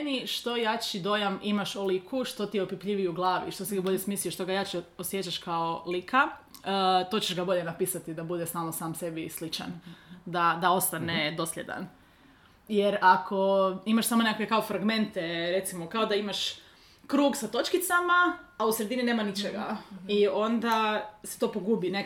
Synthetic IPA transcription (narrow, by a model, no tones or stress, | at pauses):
eniʃt̪o̞jat͡ʃid̪o̞jamimaʃolikʰuʃt̪o̞t̪ijeopipʎiʋiuɡlˠaːʋḭʃt̪osiɡabo̞ʎesmiːslijoʃt̪oɡajat͡ʃiosjet͡ʃaʃkaolikʰa | t̪o̞t͡ɕeʒɡabo̞ʎe̞napiːsat̪id̪abud̪esaːlˠnosaːmse̞bislit͡ʃa̰nd̪ad̪ao̞st̪aned̪o̞sʎʲḛd̪a̰n | jeɾakʰo̞imaʃsamonekakʋekao̞fɾaɡme̞nt̪eɾet̪simokao̞d̪aimaʃ | kɾuːɡsat̪o̞t͡ʃkit̪samaːausɾed̪inine̞ːmanit͡ʃeɡa̰io̞nd̪ase̥t̪o̞ːpoɡuːbine